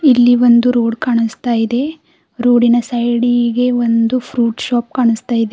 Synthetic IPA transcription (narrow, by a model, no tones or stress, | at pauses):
ilːiʋond̪uɾuːɽkaːɳust̪aːjid̪e̞ | ɾuːɽinɐsɐjɽiɡe̞ʋond̪upʰɾuːʈʃaːp̚kaːɳust̪aːjid̪e